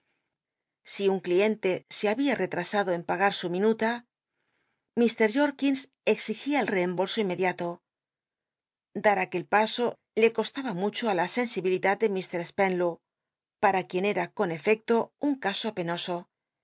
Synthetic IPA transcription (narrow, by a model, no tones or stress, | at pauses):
siuŋklie̞nt̪e̞se̞aβiare̞t̪ɾasaðo̞e̞mpaɣ̞aɾsumĩnut̪a | mist̪e̞ɾʝo̞ɾkins | e̞ksixiaelre̞ːmbo̞lso̞ime̞ðjat̪o̞ | d̪aɾake̞lpaso̞ | le̞ko̞st̪aβamut͡ʃo̞alase̞nsiβiliðat̪̚d̪e̞mist̪e̞ɾespenlo | paɾakje̞ne̞ɾako̞ne̞fe̞k̚t̪o̞uŋkaso̞pe̞no̞so̞